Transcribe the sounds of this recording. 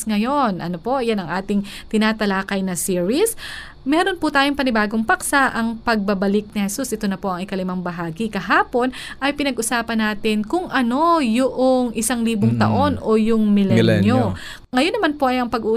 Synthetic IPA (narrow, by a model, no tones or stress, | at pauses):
ŋɐjo̞nʔɐ̰no̞po̞janɐŋʔaːt̪ɪŋt̪ɪnaːt̪ɐlaːkɐjnɐsiːɹis | mɛːɾo̞npʊt̪aːjoŋpɐnɪbaːɡoŋpɐksaʔɐŋpɐɡ̚bɐbɐlɪk̚nɪhɛsusʔɛt̪o̞nɐpo̞ʔɐŋɪkɐlɪmɐŋbɐɦaːɡikɐɦaːpo̞n | ʔɐjpɪnɐɡʔʊsaːpɐnːaːt̪ɪnkʊŋʔɐno̞jʊʔoŋʔɪsaŋliːboŋt̪ɐ̰ʔo̞nʔojʊŋmɪlɛno | ŋɐjonːɐmanpo̞ʔɐjɐŋpɐɡʔuʔ